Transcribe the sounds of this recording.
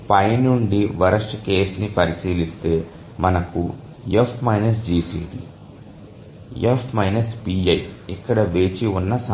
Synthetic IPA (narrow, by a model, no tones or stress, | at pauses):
pɐjnuɳɖiʋɐɾɐsʈke̞ːsnipɐɾisiːlist̪e̞ː | mɐnɐku | efʈmɐjnɐs̬d͡ʒiːsḭːʈḭ | efʈmɐjnɐspiːɐjikːɐɽɐʋe̞ːt͡ʃiunːɐsɐ